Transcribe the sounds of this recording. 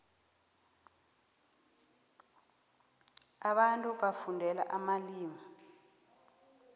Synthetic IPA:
aɓantʼuɓafundʱɛla̰ʔamaliːmi

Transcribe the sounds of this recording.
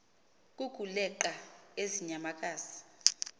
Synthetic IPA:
kʼukulɛǃaeziɲamak̬ʼaːzi̥

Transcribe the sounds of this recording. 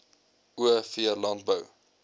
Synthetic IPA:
uəfiərlɐnt̚bəw

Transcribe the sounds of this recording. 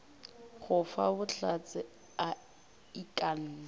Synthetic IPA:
χʊfa̰bʊɬat͡sʼɪ | a | ikʼan̩ːla

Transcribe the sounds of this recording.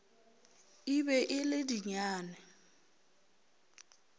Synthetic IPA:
ibɛʔɪlɪdiɲaːnɛ

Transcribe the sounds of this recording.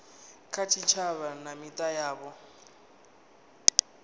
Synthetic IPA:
kʰatʰit͡ʃʰaβanamitʼajaːβɔ

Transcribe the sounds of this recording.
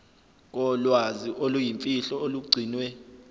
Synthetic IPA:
k̬ɔlwaziʔolujimfʼiɬɔoluɡ͡ǀʱiːnwɛ

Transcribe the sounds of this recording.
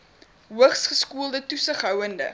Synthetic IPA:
ɦuəχsχəskuəlˠdətusəχɦœwəndə̰

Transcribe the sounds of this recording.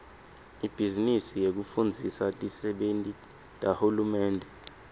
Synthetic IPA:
ib̥ʱizinisijek̬ufund͡zʱisatʼisɛɓentʼi | tʼahulumɛːndʱɛ

